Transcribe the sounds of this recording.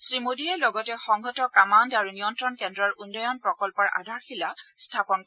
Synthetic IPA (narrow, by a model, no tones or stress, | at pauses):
sɹimodiɛlɔɡɔtɛxɔŋɡʱɔtɔkamandaɹunijɔntɹɔnkɛndɹɔɹunːɔjɔnpɹɔkɔlpɔɹʔa̰dʱaɹxilastʰapɔnkɔ